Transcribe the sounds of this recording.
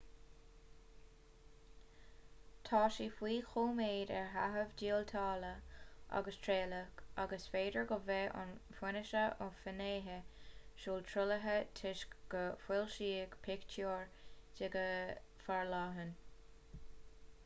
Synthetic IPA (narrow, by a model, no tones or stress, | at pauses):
t̪ʰɑːʃiːfwiːxoːmeːdɛɹɦa̰ɦəvdiːəlt̪ʰɑːləʔa̰ɡəstʰɹeːləkaɡəsfeːdəɹɡəvɛʔɑ̰nfwɪnəʃəʔʊfəneːɦəʃuːlt̪ʰɾʊləɦətʰɪʃɡ̥əfwɪlʃiːɡpʰɪktʰuːɹdɪɡəfaɹlɑːɦən